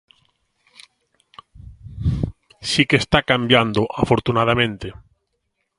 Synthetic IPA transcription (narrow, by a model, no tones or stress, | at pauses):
sikest̪akambjand̪oʔafoɾt̪unað̞amẽnt̪e